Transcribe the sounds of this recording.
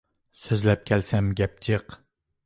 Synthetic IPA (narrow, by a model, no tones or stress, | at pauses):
søzlɛp̚kʲʰɛlsɛmɡʲɛp̚t͡ʃʰeq